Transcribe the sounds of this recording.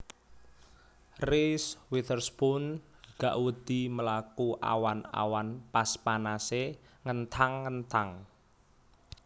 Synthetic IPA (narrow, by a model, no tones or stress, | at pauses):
riswit̪ərspunɡ̥aʔwəd̪̥i̤məlakuʔa̰wana̰wanpaspanase | ŋənt̪ʰaŋːənt̪aŋ